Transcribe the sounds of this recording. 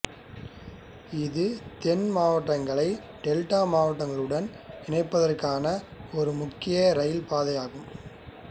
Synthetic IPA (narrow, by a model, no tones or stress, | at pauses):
ɪðɯt̪ɛnmaːʋɐʈːɐŋɡɐɭɐɪ | ɖɛlʈaːmaːʋɐʈːɐŋɡɐɭɯɽɐn | ɪɳɐɪpːɐðɐrkaːnɐɔɾɯmʊkːɪjɐɾɐjɪlpaːðɐjaːɣɯm